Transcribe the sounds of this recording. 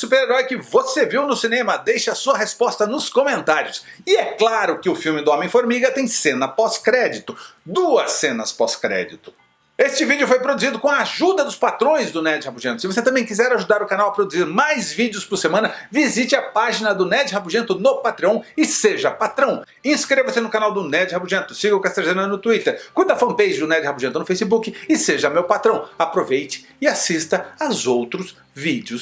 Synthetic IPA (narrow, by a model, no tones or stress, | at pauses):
supeɾeɾɔjkɪvoseviwnʊsinẽmɐd̪ejʃɐːsuɐɦespɔst̪ɐnʊskõmẽnt̪aɾiʊs | ɪɛklaɾʊkɪʊfiwmɪd̪ʊɔ̃mẽj̃foɾmiɡɐt̪ẽj̃sẽnɐpɔskɾɛd͡ʒit̪ʊd̪uɐsːẽnɐspɔskɾɛ̰d͡ʒit̪ʊ̥ | est͡ʃɪvid͡ʒɪʊfojpɾod̪uzid̪ʊkõɐaʒud̪ɐd̪ʊspat̪ɾõj̃zd̪ʊnɛd͡ʒɪhapuʒẽnt̪ʊ̥sɪvos̬et̪ɐ̃mbẽj̃kizɛɾaʒud̪aɾʊkanawɐpɾod̪uziɾmajzvid͡ʒjʊspʊɾsemɐ̃nɐvizit͡ʃɪɐpaʒinɐd̪ʊnɛd͡ʒɪhabuʒẽnt̪ʊnopat̪ɾɐ̃w̃ɪseʒɐpat̪ɾɐ̃w̃ | ẽskɾevɐsɪnʊkanawd̪ʊnɛd͡ʒɪhabuʒẽnt̪ʊsiɡɐʊkast̪eɾʒẽnɐnʊt̪uit̪eɾkujd̪ɐfɐ̃pejʒɪd̪ʊnɛd͡ʒɪhabuʒẽnt̪ʊnʊfejsibukɪɪseʒɐmewpat̪ɾɐ̃w̃apɾovejt͡ʃɪ̥ | ɪasist̪ɐazowt̪ɾʊs | vid͡ʒɪʊs